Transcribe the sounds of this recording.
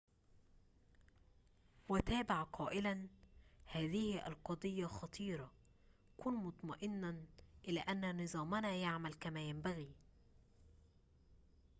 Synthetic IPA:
wæt̪æːbaʕqʰɑːʔɪlænhæːðɪhʔæ̰lqɑd̪ˤɨjːaxɑt̪ˤiːɾˤɑ | kuːnmʊt̪ˤmɑʔɪnːaʔɪlæːʔænːnɨzˤɑːmɪnajaʕmælkæmæːjæmbæɣiː

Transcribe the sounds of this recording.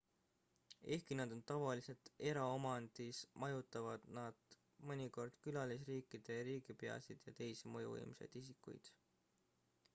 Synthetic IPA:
e̞hkinɑd̪̥o̞nt̪ɑvɑlise̞lt̪e̞ɾɑomɑnd̪̥ismɑjut̪ːˑɑvɑd̪̥nɑd̪̥ | mɤnʲiko̞rd̪̥kylɑlis̬riːkːˑid̪̥e̞ɾiːɡipeɑ̰sid̪̥jɑt̪e̞jsimɤjṵvɤ̰jmse̞̰jd̪̥is̬ikːˑṵjd̪̥

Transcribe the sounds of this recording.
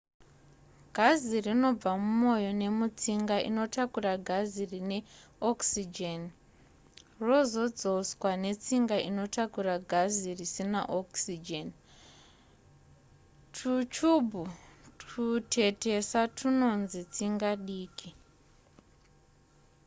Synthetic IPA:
ɡ̥ʱazirino̞b͡vamumo̞jo̞ne̞mut͡siŋɡaʔḭno̞takuraɡʱazirine̞oksid͡ʒen | ro̞zo̞d͡zo̞swane̞t͡siŋɡaʔino̞takuraɡʱazirisinaʔoksid͡ʒen | tʰut͡ʃubʱu | utʰe̞te̞satʰuno̞nzit͡siŋɡaɗiːki

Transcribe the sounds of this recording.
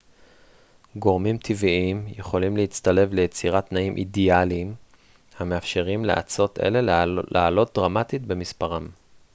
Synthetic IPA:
ɡo̞ʁmimt̪ʰiviimje̞χo̞limleit͡st̪ale̞vle̞jet͡siʁatnaimʔḭdialiːm | hameafʃe̞ʁimlḛʔa̰t͡so̞t̪ḛle̞llaːlo̞t̪̚d̪ʁamat̪it̚be̞mispaʁam

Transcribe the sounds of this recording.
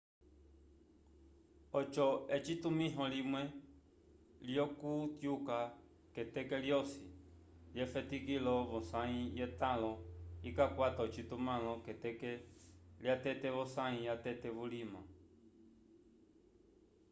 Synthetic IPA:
ɔt͡ʃɔɛt͡ʃit̪umĩɦɔ̃limwɛ | ljɔkut̪juka | kɛt̪ɛkɛljɔsi | ljɛfɛt̪ikilɔβɔ̃sãĩjɛt̪ãlɔikakʷat̪ɔt͡ʃit̪umãlɔ̃kɛt̪ɛkɛliat̪ɛt̪ɛβɔsãĩjat̪ɛt̪ɛβulimã̰

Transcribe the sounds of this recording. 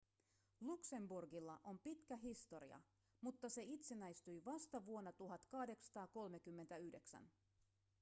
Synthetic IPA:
lukse̞mburɡilːɑʔo̞mpit̪kæɦist̪o̞ɾḭɑ̰ | mut̪ːɑse̞it̪senæjst̪yjʋɑst̪ɑʋuo̞nːɑt̪uɦɑt̪kɑhde̞ksɑ̥t̪ɑːko̞lme̞kymːent̪æyhde̞ksæ̰n

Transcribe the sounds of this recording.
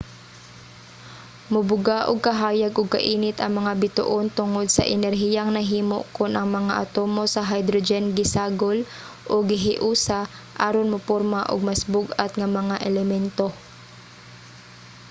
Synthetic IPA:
mʊbʊɡaʔʊɡ̚kɐɦaːjaɡʔʊɡ̚kɐ̰ʔiːnɪt̪ʔɐŋmɐŋabɪt̪ʊ̰ʔont̪ʊŋod̪sɐ̰ʔɛnɛɾɦijaŋnɐɦiːmo̰ʔkʊnʔɐŋmɐŋaʔɐt̪oːmosɐɦajd̪ɾod͡ʒɛnɡɪsaːɡol | ʔʊɡɪɦɪʔuːsa | ʔaɾonmʊpoɾmaʔʊ̰ɡ̚masbʊɡʔat̪ŋɐmɐŋaʔɛlɛmɛnt̪o

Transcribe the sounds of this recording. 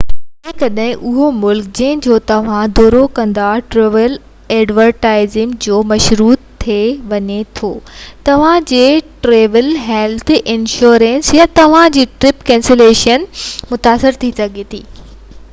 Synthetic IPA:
ĩkɐɗɦɪ̃ʔʊɦomʊlkd͡ʑɐ̃ɦɪ̃d͡ʑoːt̪ɐʋ̤ãd̪oːɾokɐ̃nd̪aʈɾeːʋəl | ɛːɖʋəɾʈaːɪzɪmd͡ʑoːmɐʃɾuːt̪ʰːeʋɐɲet̪ʰoːt̪ɐʋ̤ãd͡ʑeːʈɾeːʋəlɦɛːlt̪ʰɪnʃoːɾɛ̃nsjãt̪ɐʋ̤ãd͡ʑiːʈɾɪpkɛ̃ːnseleːʃənmʊt̪aːsɪɾt̪ʰisɐɡʱet̪ʰḭː

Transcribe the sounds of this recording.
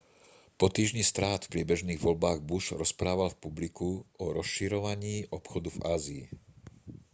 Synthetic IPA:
pɔt̪iːʒɲist̪ɾaːt̪fpɾɪɛbɛʒniːɣʋɔʎbaːɣbuʃɾɔspɾaːʋalfpublikuɔɾɔsʃiɾɔʋaɲiːʔɔpxɔd̪uvaːzḭː

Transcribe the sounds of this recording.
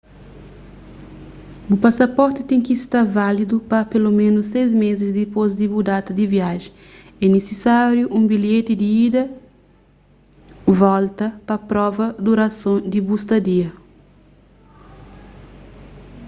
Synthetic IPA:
ʊpasɐpɔɾt̪ɪt̪ẽŋkist̪aɾvalid̪upɐpelomẽnʊsːejzmezɪzd̪ɪpozd̪ibud̪at̪ɐd̪ɪviaʒẽ | ɛnesɪsaɾjuʔũbiljet̪ɪd̪iid̪ɐ | vɔlt̪ɐpɐpɾɔvɐd̪uɾɐsõd̪ɪbust̪ɐd̪iɐ

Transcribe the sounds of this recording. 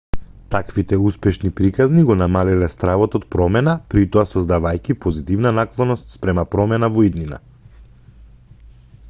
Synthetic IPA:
t̪akvit̪ɛuspɛʃnipɾikazniɡɔnamalilɛst̪ɾavɔt̪ɔt̪̚pɾɔmɛnapɾit̪ɔasɔzd̪avajcʲipɔzit̪ivnanaklˠɔnɔst̪spɾɛmapɾɔmɛnavɔid̪nina̰

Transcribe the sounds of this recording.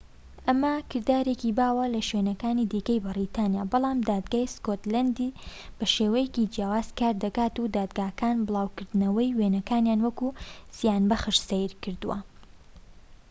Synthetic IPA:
ʔɐmɐkʰɨɾd̪aːɾekibaːwɐlɐʃwenɐkaːnid̪iːkɐjbɨrit̪ʰaːnjaːbɑlˠaːmd̪aːd̪ɡaːjskot̪land̪ib̥ɐʃeːwɐjecid͡ʒjaːwaːz̥kaːɾd̪ɐkaːt̪ud̪aːd̪ɡaːkaːnbɨlˠaːwkɨɾd̪nɐwɐjwenɐkaːnjaːnwɐkuz̥ijaːnbɐxɨʃsejɾkɨɾd̪uwɐ̰

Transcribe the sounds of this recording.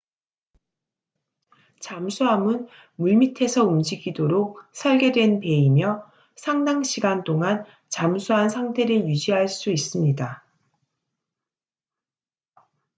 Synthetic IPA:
t͡ɕamsʰuɦamɯn | muɭmitʰe̞sʰʌumd͡ʑiɡidoɾok̚sʰʌɭɡe̞dwe̞npe̞imjʌ | sʰaŋdaŋɕʰiɡant͈oŋan | t͡ɕamsʰuɦansʰaŋtʰe̞ɾɯɭjud͡ʑiɦaɭs͈uis͈ɯmɲida

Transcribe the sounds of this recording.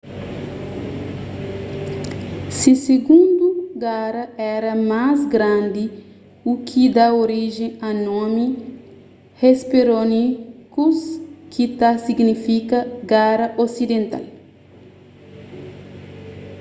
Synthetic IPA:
siseɡũnd̪uɡaɾɐɛɾɐmazɡɾãnd̪i | ukʰid̪aoɾiʒẽɐnɔ̃mi | hespeɾonikuskʰit̪asiɡnifikɐɡaɾɐʔosid̪ẽnt̪a̰l

